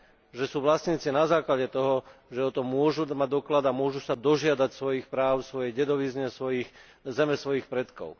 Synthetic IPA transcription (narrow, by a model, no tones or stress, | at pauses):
ʒɛsuːʋlasɲiːt͡sinazaːklaɟɛt̪ɔɦɔʒɛɔt̪ɔmːʊɔʒumaɟ̚d̪ɔklad̪amʊɔʒusad̪ɔʒɪad̪acsʋɔjixpɾaːʊsʋɔjɛjɟɛd̪ɔʋizɲɛsʋɔjiːx | zɛmɛsʋɔjiːxpɾɛt̪kɔ̰ʊ